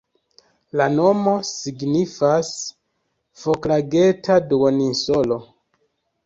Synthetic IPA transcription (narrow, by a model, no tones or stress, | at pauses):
lano̞mo̞siɡnifas | foklaɡetaduoninsolo